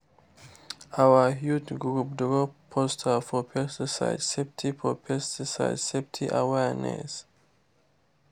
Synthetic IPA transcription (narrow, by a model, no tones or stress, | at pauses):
ʔawəhjud͡ʒɡɹup̚dɹɔpʰːɔstʰəfɔpʰɛstisa̰ɪdsɛptʰifɔpʰɛstʰisa̰ɪdsɛptʰiʔa̰wɛɹnɛ̰s